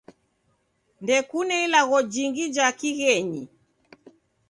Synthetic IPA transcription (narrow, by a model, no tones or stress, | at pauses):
ndɛkunɛilaɣɔd͡ʒiŋɡid͡ʒakiɣɛɲi